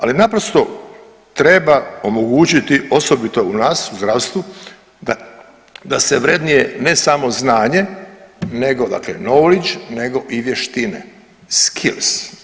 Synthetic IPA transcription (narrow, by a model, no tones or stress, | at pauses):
a̰linapɾost̪o̞ | t̪ɾe̞bao̞moɡuːt͡ʃit̪iʔo̞so̞bit̪ounaːsuzd̪ɾaʋst̪ʋu | d̪aseʋɾe̞d̪nijenesamo̞znaːɲe̞ne̞ɡo̞d̪a̰klḛnowlit͡ʃne̞ɡo̞ʔiʋje̞ʃt̪inḛ | skʰils